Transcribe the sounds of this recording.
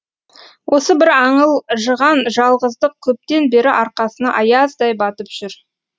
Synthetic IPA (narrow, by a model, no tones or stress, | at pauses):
wʔo̞səbɪɾɑɴəlˠʒəʁɑnʒɑlˠʁəzd̪əq̚kʲʰɵp̚t̪e̞nbe̞ɾɪʔɑɾqɑsənɑʔɑjɑzd̪ɑjbɑt̪əpʒ̥ʏɾ